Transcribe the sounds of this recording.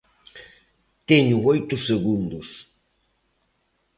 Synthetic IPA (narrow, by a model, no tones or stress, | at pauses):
t̪eɲʊojt̪ʊseɣund̪ʊs